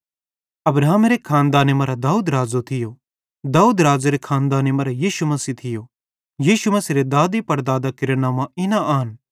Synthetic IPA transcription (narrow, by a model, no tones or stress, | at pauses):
ɐbɾaːmeɾekʰãːnd̪aːnemɐɾad̪aːuːd̪ɾaːd͡ʒot̪ʰɪjo | d̪aːuːd̪ɾaːzaɾekʰaːnd̪aːnemɐɾajiːʃumɐsit̪ʰɪjo | jiːʃumɐsiɾed̪aːd̪ipɐɾd̪aːd̪akɪɾenaːmãɪnaʔaːn